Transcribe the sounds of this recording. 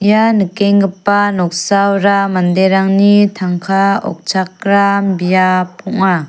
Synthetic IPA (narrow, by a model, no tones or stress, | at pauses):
janɯkeŋɡɯpanɔk̚sawɾamandeɾaŋnitʰaŋkʰaɔ̰k̚t͡ʃʰak̚ɾambijapʰɔŋa